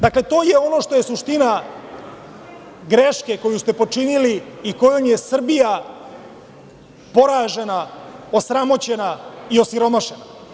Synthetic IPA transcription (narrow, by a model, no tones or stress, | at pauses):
d̪akle̞t̪o̞ːjeo̞no̞ːʂt̪o̞jesuʃt̪ina | ɡɾeʃke̞ko̞just̪e̞po̞t͡ʂiniliiko̞jomje̞sr̩bija | po̞ɾaːʒe̞nao̞sɾamo̞t͡ɕe̞naio̞siɾo̞maʃe̞na